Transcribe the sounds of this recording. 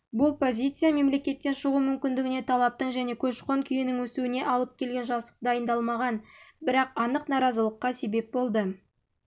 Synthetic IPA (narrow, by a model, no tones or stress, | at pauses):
bʊlˠpʰo̞zʲit̪sɨjame̞mle̞kʲe̞t̪ːe̞nʃəʁumʏmkʲɪnd̪ɪɡʲɪne̞t̪ʰɑlˠɑp̚t̪əɴʒæne̞kʲʰɵʃqoŋkʲʰʏjenɪŋwɵsuɪne̞ʔɑlˠəp̚kʲʰe̞lɡʲe̞nʒɑsə̥qd̪ɑjənd̪ɑlˠmɑʁɑnbɪɾɑqɑnəqnɑɾɑzəlˠəqːɑse̞be̞p̚bo̞lˠd̪ə